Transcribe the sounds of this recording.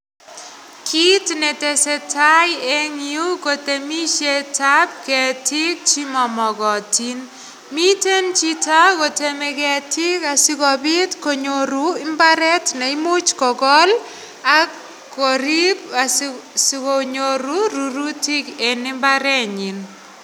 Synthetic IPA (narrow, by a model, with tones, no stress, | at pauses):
kʰi˦tnɛ˨tɛsɛ˦tʰa˦je˦ŋiu˦ko˨te˨mi˦ʃeta˦p̚kɛ˨ti˦k̚t͡ʃi˦mɔ˨mɔ˨kɔ˨ti˦n | mi˦te˦nt͡ʃi˦ta˦ko˨te˨me˨kɛ˨ti˦ka˨si˦kɔ˨pi˦tko˨ɲoɾuɪ˦mba˦ɾɛ˦tne˨imu˦t͡ʃkɔ˨kɔ˦l | akː | o˨ɾi˦p̚assiko˨ɲoɾuɾu˨ɾu˦tike˨nɪ˦mbaɾɛ˦ɲi˨n